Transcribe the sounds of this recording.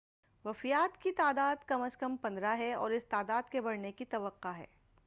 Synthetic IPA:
ʋɐfijaːt̪kit̪aːd̪aːd̪kɐməskɐmpɐ̃nd̪ɾaɦɛɔːɾɪst̪aːd̪aːd̪kebɐɽnekit̪ɐʋəqːaɦɛ̰ː

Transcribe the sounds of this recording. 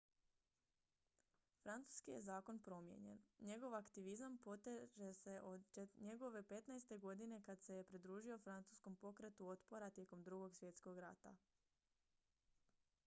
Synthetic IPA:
fɾant̪su̥skije̞zaːko̞npɾo̞mjḛɲe̞̰nɲe̞ɡo̞ʋakt̪iʋizampo̞t̪eʒese̞ʔo̞d̪t͡ʃeɲe̞ɡo̞ʋe̞pe̞t̪najst̪e̞ɡo̞d̪ine̞kad̪se̞jepɾid̪ɾuːʒiofɾant̪su̥ːsko̞mpo̞kɾe̞t̪uo̞t̪po̞ɾat̪je̞ko̞md̪ɾuɡo̞ɡsʋje̞t̪sko̞ɡɾa̰t̪a̰

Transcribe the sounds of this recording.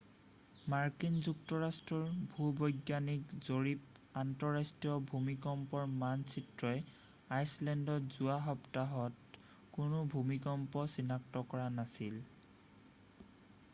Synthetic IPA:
maɹkinzuktɔɹastɹɔɹbʱubɔjɡjanikzoɹip̚ | antɔɹastijɔbʱumikɔmpɔɹmansʰitɹɔj | ajslɛndɔzuaɦɔptaɦɔt | kʊnʊbʱumikɔmpɔsinak̚tɔkɔɹanasil

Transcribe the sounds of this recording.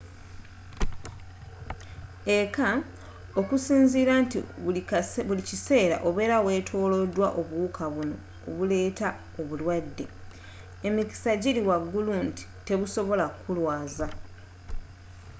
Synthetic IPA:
e̞ka | o̞kusiːnziːɾantḭ | βulicise̞ːɾa̰ʔo̞βe̞ːɾawe̞ːtʰo̞ːlo̞dwaʔo̞βuːkʰaβuno̞̰ | o̰βule̞ːta | oβulwadːe̞ | emiki̥saɟiɾiwaɡːulunti̥te̞βuso̞βo̞lakulwaːza

